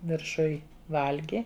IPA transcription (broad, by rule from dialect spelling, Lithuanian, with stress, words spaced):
ʋʲɪrˈʃʊj ˈʋɐlʲɡʲɪ